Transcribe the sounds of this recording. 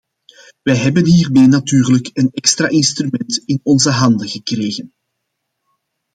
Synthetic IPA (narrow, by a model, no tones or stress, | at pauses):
ʋɛjɦɛbənɦiːrmeːnatyːrləkənɛkst̪ra̰ːʔɪnst̪rymɛntɪnɔnzəɦɑndəɣəkreːɣən